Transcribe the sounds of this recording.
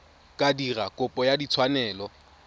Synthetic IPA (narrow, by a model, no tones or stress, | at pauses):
kʼadirakʼʊpʼɔjadit͡sʰwanɛːlɔ